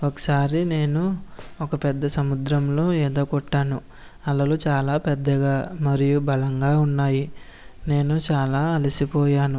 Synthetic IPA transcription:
ɔkɐ̥saːɾine̞ːnuɔkɐpɛd̪ːɐsɐmud̪ɾɐmlo̞ːɛːd̪oːkɔʈːaːnu | ɐlːɐlut͡ʃaːlaːpɛd̪ːɐɡaːmɐɾijubɐlɐŋɡaːunːaːji | ne̞ːnut͡ʃaːlaːɐlisipɔːjaːnu

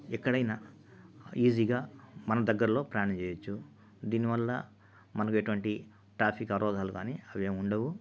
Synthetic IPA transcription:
ɛkːɐɽɐjnaː | iːziːɡaːmɐnɐd̪ɐɡːɐɾɐlo̞ːpɾɐjaːnɐmt͡ʃeːjɐt͡ʃːu | d̪iːniʋɐlːɐ | mɐnɐkueʈuʋɐɳʈi | ʈɾaːpʰikɐɾʔɔːd̪ʱaːlukaːniːɐʋeːmuɳɖɐʋu

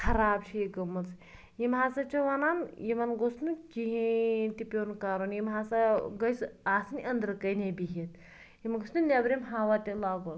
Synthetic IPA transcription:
kʰɐɾaːbt͡ʃʰijiɡɐmːɐt͡s | jimɦaːsɐt͡ʃʰɐʋanaːnjimɐnɡosnukiɦint̪ipʲoːnkaːɾonjimɦaːsɐɡɐjsaːsɐnʲiʔɐnd̪ɾɨkɐjnebiɦit̪̚ | jimɐɡosnunʲɐbɾʲemɦaːʋat̪ʲilaːɡo

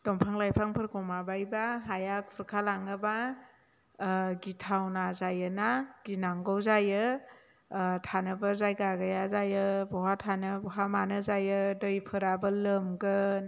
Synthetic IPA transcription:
ɡ̥ɔmpʰaŋlajpʰaŋpʰɯɾkʰɔmabajbaɦajakʰuɾkʰalaŋɯba | ɡitʰawnazajɯnaɡ̥inaŋɡɔwzajɯ | tʰanɯbɯɾzajɡaɡajazajɯbɔɦatʰanɯbɔɦamanɯzajɯdɯjpʰɯɾabɯlɯmɡɯ

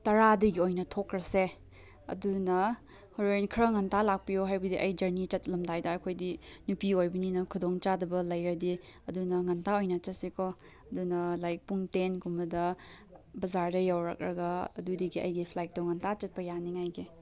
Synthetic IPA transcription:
tɐɾadɐɡiojnɐtʰokɾɐse | ɐ̰dunɐ | hoɾenkʰɾɐŋɐntalak̚pijoɦajbɐdiʔɐjd͡ʒɐɾnit͡ʃɐt̚lɐmdajdɐːkʰojdinupiojbɐninɐkʰudoŋt͡ʃadɐbɐlɐjɾɐdiɐdunɐŋɐntaojnɐt͡ʃɐt̚sikʰɔ | ɐdunɐlajk̚puŋtenkumbɐdɐ | bɐzaɾdɐjawɾɐ̰k̚ɾɐ̰ɡɐɐ̰dudiɡiɐ̰jɡipʰlajk̚tɔŋɐntʰat͡ʃɐt̚pɐjaniŋajɡi

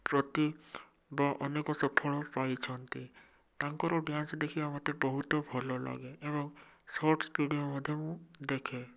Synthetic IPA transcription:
pɾɔt̪i | baʔɔnekɔsɔpʰɔɭɔpajt͡ʃʰɔnt̪i | t̪aŋkɔɾɔɖjansd̪ekʰibamat̪ebɔɦut̪ɔbʱɔlɔla̰ɡeːbɔŋsɔɾʈʰsʈuɖijomɔd̪ʱjɔmũd̪ekʰɛ

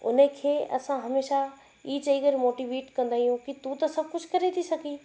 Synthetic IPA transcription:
ʊ̰nəkʰeːɐ̰sãɦɐmeːʃa | iːt͡ʃɐiɡəɾmoːʈiːʋeːʈkɐ̃nd̪aːijũkit̪ũt̪ɐsɐb̚kʊt͡ʃʰkɐɾet̪ʰisɐkiː

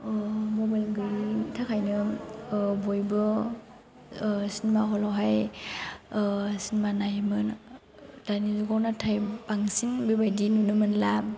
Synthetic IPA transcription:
mɔbajlɡɯɾitʰakʰajnɯ | bɔjbɯ | sinmaɦɔlɔwɦaj | sinmanajmɯn | d̥anizuɡawnatʰajpaŋsinbebajdinunɯmɯnlam

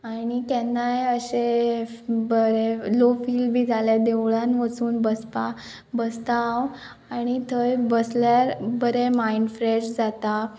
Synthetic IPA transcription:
añikɛnːajəɕe | bəɾelofiːlbʱiːd͡zʱaled̪eʋɭãnʋəsuːnbəspa | bəst̪aːw | aɽ̃it̪ʰəjbəsljaɾbəɾemainfɾed͡ʑd͡zat̪a

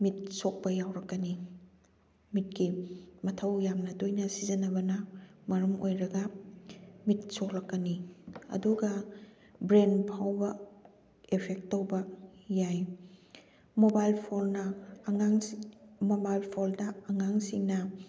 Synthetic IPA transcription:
mit̚sok̚pɐjawɾɐkːɐni | mit̚kimɐtʰɐwjamnɐdojnɐsizɐnɐbɐnɐmɐɾɐmojɾɐɡɐ | mit̚soklɐkːɐniɐ̰duɡɐ | bɾenpʰawbɐ | epʰek̚tːowbɐjaj | mobajlpʰolnɐaŋmobajlpʰoldɐːŋaŋsiŋnɐ

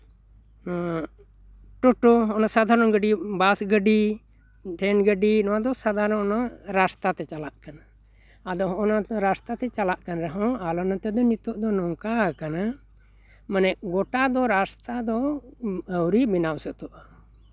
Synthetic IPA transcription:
ʈɔʈɔɔnasad̪ʱaɾɔnɡəɖibasɡəɖi | ʈʰɛnɡəɖinɔwad̪ɔsad̪ʱaɾɔnɔnaɾast̪at̪ɛt͡ʃalaʔkanaː | d̪ɔɦɔ̃ɔnaɾast̪at̪ɛt͡ʃalaʔkanɾɛɦɔ̃alɔnat̪ɛd̪ɔnit̪ɔʔd̪ɔnɔŋkakana | manɛʔɡɔʈad̪ɔɾast̪ad̪ɔ | əwɾibinawsɔt̪ɔʔa

